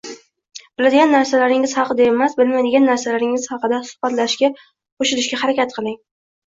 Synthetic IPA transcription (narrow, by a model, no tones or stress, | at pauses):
b̥ɪlad̪ɪɡʲanːaɾsalaɾɪŋɪz̥hɑqʰɨd̪ae̞masbɪlmajd̪ɪɡʲanːaɾsalaɾɪŋɪz̥hɑqɨd̪asʊ̥hb̥at̪laʃkʲa | qʰoʃɪɾɪʃkʲahaɾakʲʰat̪̚qʰɨlˠɪŋ